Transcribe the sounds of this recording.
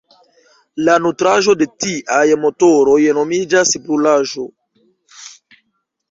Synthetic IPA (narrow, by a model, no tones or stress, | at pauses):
lanutɾaʒo̞de̞tiʔajmo̞toɾo̞jno̞mid͡ʒaspɾulaʒo̞